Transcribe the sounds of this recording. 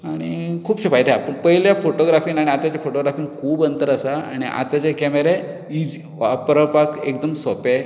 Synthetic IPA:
aɽ̃ikʰuːbɕepajt̪ʰeapəɳpəɦiljafoʈoɡɾafiːnaɽ̃iat̪jat͡ɕafoʈoɡɾafiːnkʰuːbənt̪əɾasaa̰ɽ̃iʔa̰t̪at͡ɕekɛmeɾe | id͡z | pɾəpakek̚d̪əmsɔpe

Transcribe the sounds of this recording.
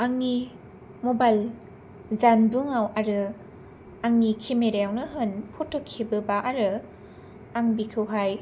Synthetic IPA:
aŋni | mobajl | zanduŋawaɾɯ | aŋnikʰimeɾejawnɯɦɯnpʰɔtʰɔkʰːibɯbaʔaɾɯ | aŋbikʰɯwɦaj

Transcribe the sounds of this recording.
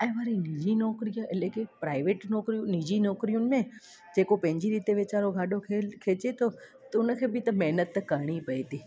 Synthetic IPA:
aiʋaːɾinid͡ʑinɔkɾijaʔelekepɾaːɪʋeːʈnɔkɾijũnid͡ʑinɔːkɾijunɪ̆mẽ | d͡ʑekopɐ̃ɦɪ̃ɲd͡ʑiɾiːt̪eʋet͡ɕaɾoɡʱaːɖokʰekʰeːt͡ʃet̪ʰo | t̪ʊnəkʰẽːbit̪ɐmɛɦnət̪ːkəɽ̃ipəit̪iː

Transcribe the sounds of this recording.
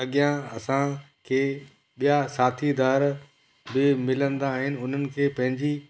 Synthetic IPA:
ɐɠijãɐsã | kʰeː | ɓijasaːt̪ʰid̪aːɾ | bɪmɪlə̃nd̪aːɦɪnɪ̆ʊn̤ənɪ̆kʰeːpɐ̃ɦɪ̃ɲd͡ʑi

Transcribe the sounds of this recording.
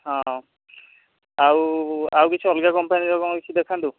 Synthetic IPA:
hɔ̃ | awawkit͡ʃʰuɔlɡakɔmpajnizɔkɔŋkit͡ʃʰudɛkʰandu

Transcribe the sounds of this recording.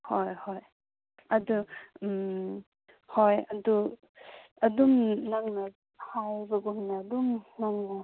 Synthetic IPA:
hojhoj | ɐdum | hojɐdu | ɐdumnaŋnɐ | hajbɐɡuŋnɐɐdumnaŋnɐ

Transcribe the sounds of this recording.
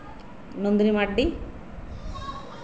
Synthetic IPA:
nond̪ɾimaɖːi

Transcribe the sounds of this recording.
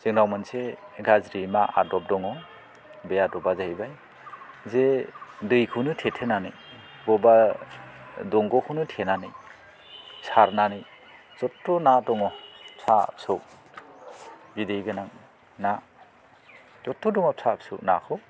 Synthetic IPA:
zɯŋɾawmɯnseɡazɾimaa̰dɔp̚dɔŋɔ | bejadɔbazaibaj | zedɯjkʰɯwnɯtʰetʰenanɯj | bɔba | dɔŋɡɔkʰɯnɯtʰenanɯj | saɾnanɯj | z̥ɔtːɔnadɔŋɔsʰa̰psok̚ | bidejɡɯnaŋ | na | zɔtːɔdɔŋɔp̚sʰap̚sṵk̚na̰kʰɯ

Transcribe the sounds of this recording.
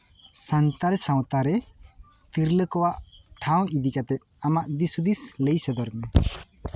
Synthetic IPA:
sant̪aɾɛsãw̃t̪aɾɛ | t̪iɾləkɔwaʔʈʰaw̃id̪ikat̪ɛʔ | amaʔd̪isud̪isləjsɔd̪ɔɾmɛ

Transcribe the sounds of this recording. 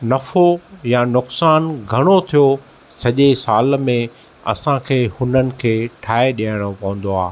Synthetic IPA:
nɐfojanʊksaːnɡʱɐɽ̃ot̪ʰijo | sɐʄesaːlmẽ | ɐ̰sãkʰeːhʊnənɪ̆kʰeːʈʰaːeɗiəɽ̃opɐʋə̃n̆d̪oaː

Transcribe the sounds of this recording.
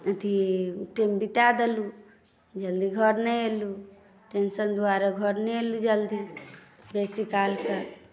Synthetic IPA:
ət̪ʰiʈembit̪ad̪elu | d͡ʒəld̪iɡʱəɾnɛelu | ʈensənd̪oaɾaɡʱəɾnɛelud͡ʒəld̪i | besikalke

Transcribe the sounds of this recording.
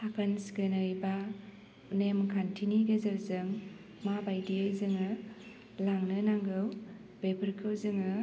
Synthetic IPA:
tʰakʰanskɯnɯjba | nemkʰantʰiniɡezɯɾzɯŋ | mabajdiajzɯŋɯ | laŋnɯnaŋɡɯw | b̥epʰɯɾkʰɯwzɯŋɯ

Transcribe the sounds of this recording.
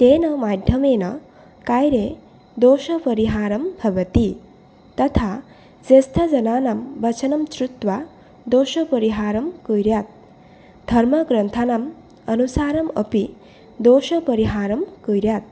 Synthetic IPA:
t̪eːnʌmad̪ʱjɐmeːnʌ | kajɾe | d̪oːʃɐpɐɾiɦaːɾɐmbʱɐʋɐt̪i | t̪ʌt̪ʰa | d͡zest̪ʰɐd͡zɐnaːnambɐt͡sʰɐnɐmt͡ʃɾut̪wa | d̪oːʃɐpəɾiɦaːɾɐmkujɾjat̪̚ | d̪ʱɐɾmʌɡɾɐnt̪ʰanam | ɐnusaːɾɐmʌ̰pi | d̪oːʃʌpɐɾiɦaːɾɐmkujɾjat̪̚

